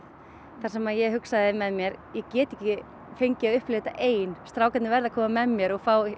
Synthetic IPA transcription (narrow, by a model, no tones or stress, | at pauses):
θaɾsɛmaðjɛɦʏksaðɪmɛðmjɛɾjɛcɛːt̪ɪɛhcɪ | fejɲcɪaʏhplɪːt̪a̰ʔeːjnst̪ɾaːwkat̪nɪvɛɾðakʰɔːmamɛmːjɛɾɔɣfaːw